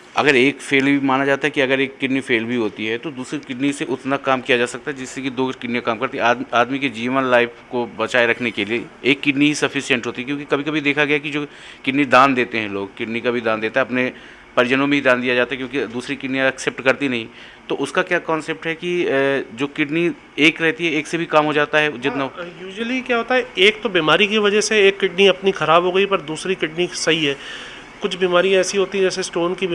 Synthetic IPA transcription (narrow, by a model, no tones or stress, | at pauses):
ɐ̰ɡəɾeːkfeːlbʱimaːnad͡ʒaːt̪aɦɛkiɐɡəɾeːkːɪɖnifeːlbʱiɦoːt̪iɦɛt̪od̪uːsɾikɪɖniseʔʊt̪nakaːmkijad͡ʒaːsɐk̚t̪aɦɛd͡ʒɪsːekid̪oːkɪɖniakaːmkɐɾt̪iɦɛaːaːd̪miked͡ʒiːʋənlaːɪfkobɐt͡ʃaːeɾɐkʰnekelieeːkːɪɖniɦisɐfʰɪsijə̃ɳʈɦoːt̪iɛkjõːkikɐbʱikɐbʱid̪eːkʰaɡɐjakid͡ʒoː | kɪɖnid̪ãːnd̪eːt̪eɦɛ̃loːɡ̚kɪɖnikabʱid̪ãːnd̪eːt̪aɦɛɐpne | pɐɾd͡ʒənõmẽɦid̪ãːnd̪ijad͡ʒaːt̪aɦɛkjõːkid̪uːsɾikɪɖniãɐksɛp̚ʈkɐɾt̪inɐɦĩ | t̪oʔʊskakjaːkɔːnsep̚ʈɦɛkid͡ʒoːkɪʈni | eːkɾɛɦt̪iɦɛeːksebʱikaːmɦoːd͡ʒaːt̪aɦɛd͡ʒɪt̪najuːʒəlikjaːɦoːt̪aɦɛeːk̚t̪obiːmaːɾikiʋɐd͡ʒəseeːkːɪʈniɐpnixɐɾaːbɦoːɡəipɐɾd̪uːsɾikɪʈnisɐɦiɦɛː | kʊt͡ʃʰbiːmaːɾijãɛːsiɦoːt̪iɦɛ̃d͡ʒɛːsesʈoːnki